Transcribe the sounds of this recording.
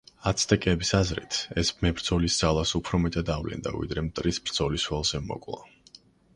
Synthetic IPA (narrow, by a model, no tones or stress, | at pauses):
at̪sʰt̪ʼɛkʼɛːbisazɾḭt̪ʰɛsmɛbɾd̪zɔlisd̪z̥alˠasupʰɾɔmɛt̪ʼad̪avlɛ̰nd̪a̰vḭd̪ɾɛmt̪ʼɾisbɾd̪z̥ɔliswɛlˠzɛmɔ̰kʼlˠa̰